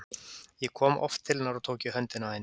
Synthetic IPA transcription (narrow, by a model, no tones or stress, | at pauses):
jɛkʰɔːmɔ̰ft̪ʰːɪlnaɾɔt̪ʰoːwcɪɦœnt̪ɪnahajn